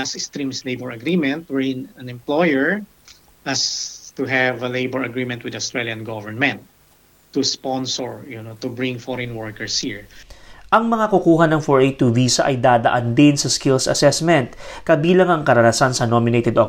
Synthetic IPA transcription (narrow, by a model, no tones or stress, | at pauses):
ɐsɪkst̪ɾĩmslejbɔɹɐɡɾimɛ̃nt̪̚wɛɹɪ̃nɐ̃nɛ̃mplɔjɛɹ | ʔɐst̪uɦɛvɐlejbɔɹɐɡɾimɛ̃nt̪̚wɪd̪aʊst̪ɹɛljɐ̃nɡɔvɛɹmɛ̃nt̪ː | uspɔ̃nsɔɹjʊnot̪ubɹɪ̃ŋfɔɹɛ̃nwɔɹkɛɹshiɹʔɐŋmɐŋakukuːɦɐnɐŋfɔɹʔet̪uviːsɐʔɐjd̪aːd̪ɐʔand̪ɪnsɐskɪlsɐ̰sɛsmɛ̃nt̪̚kɐbiːlɐŋɐŋkɐɾɐnɐsansɐnomɪnejt̪ɛd̪o